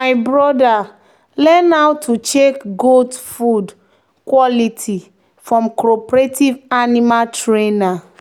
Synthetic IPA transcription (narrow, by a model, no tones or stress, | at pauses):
aɪbɹɔda | lɛnawtʰut͡ʃekɡodfud | kwɔlitʰi | fɹɔ̃mkɹɔpɹetivanimaltɹena